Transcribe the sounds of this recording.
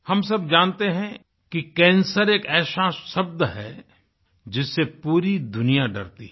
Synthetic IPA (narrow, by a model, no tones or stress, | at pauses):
hɐms̬ɐbd͡ʒãːnt̪eɦɛ̃ | kikɛ̃ːnsəɾeːkɛːʃaːsːɐb̚d̪ɦɛ̰ | d͡ʒɪsːepuːɾid̪ʊnijaɖɐ̰ɾt̪ḭ